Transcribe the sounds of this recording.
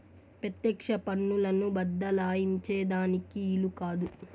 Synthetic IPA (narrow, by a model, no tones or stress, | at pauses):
pɾɐt̪jɛːkʂɐpɐnːulɐnubɐd̪ːɐlaːjiɲt͡ʃeːd̪aːnikiːlukaːd̪u